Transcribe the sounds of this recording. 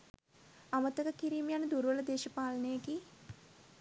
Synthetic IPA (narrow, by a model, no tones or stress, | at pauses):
ɐmɐt̪ɐkɐkiɾiːmjanɨd̪uɾʋɐlɐd̪eːʃɐpaːlɐnejɐki